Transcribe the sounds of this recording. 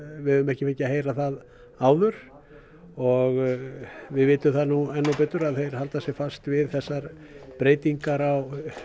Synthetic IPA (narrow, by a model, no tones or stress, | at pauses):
vɪðʏʏmɛhcɪfecɪaheːjɾaθað | aːwðʏɾ̥ | ɔɣ | vɪðvɪːt̪ʏθanuɛnːɔwpɛːt̪ʏɾaðθejɾ̥halt̪asjɛɣfast̪vɪðθɛsːaɾ | pɾeːjt̪iŋkaɾaw